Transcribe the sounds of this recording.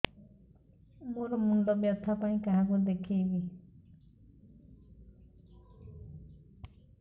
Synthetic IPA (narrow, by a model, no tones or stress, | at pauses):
moɾɔmund̪ɔbjɔt̪ʰːapaĩkaɦãkɔd̪ekʰiebi